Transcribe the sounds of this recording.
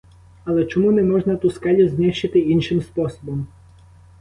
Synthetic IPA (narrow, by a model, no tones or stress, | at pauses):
ɐlˠɛt͡ʃɔmunɛmɔʒnɐt̪uskɑlʲuzʲniʃt͡ʃɪt̪ɪinʃɪmspɔsɔbɔm